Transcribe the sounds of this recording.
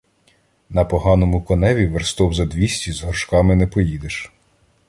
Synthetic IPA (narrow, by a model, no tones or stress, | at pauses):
nɐpɔɦɑnɔmʊkɔnɛʋʲiʋerst̪ɔwzɐd̪ʋʲisʲtʲizɦɔrʃkɑmɪnɛpɔjid̪eʃ